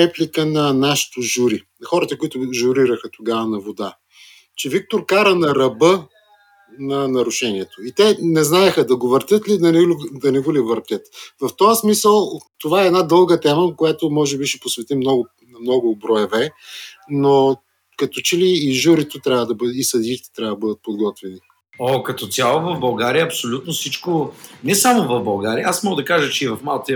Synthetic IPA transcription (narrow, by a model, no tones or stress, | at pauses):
ɛplikənɐnaʃi̥t̪oʒuɾinɐxɔɾɐt̪ɐkoit̪ʊʒʊɾiɾəxət̪oɡavɐnɐvod̪a̰ | t͡ʃɛvik̚t̪oɾkaɾənɐɾɐbə | nɐnɐɾʊʃɛniɛt̪oit̪ɛnɛznaɛxəd̪ɐɡovəɾt̪ʲjət̪lid̪ɐnɛd̪ɐnɛɡolivəɾt̪ʲət̪vɐft̪ɔəsmisəlˠt̪ovaɛːd̪nad̪ɤlˠɡət̪ɛməkojat̪omɔʒɛbiʃɛposvɛt̪imnɔɡʊ | mnɔɡʊbɾɔɛvɛ | no | kɐt̪ɔt͡ʃɛliːʒuɾit̪ot̪ɾʲavəd̪ɐbəisɐd̪iit̪ɛ̥t̪ɾʲavəd̪əbɤd̪ət̪̚pod̪ɡɔt̪vɛni | okɐt̪ɔt̪ʲjalˠovɐvbɐlˠɡaɾijəɐpsolʲut̪nofsit͡ʃkonɛsamovɐvbɐlˠɡaɾiɐasmɔɡəd̪ɐkaʒət͡ʃɛivɐfmalˠt̪i